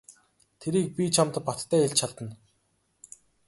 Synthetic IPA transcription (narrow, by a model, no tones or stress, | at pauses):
t̪ʰeɾiːk̚pʲit͡ɕʰamt̪ə̆ppat̪ʰːæːeɮt͡ɕʰaɮt̪ə̆n